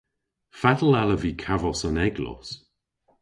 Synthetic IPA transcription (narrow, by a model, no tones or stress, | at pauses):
fatəl̩aləviːkʰavɔsənɛɡlɔ̰s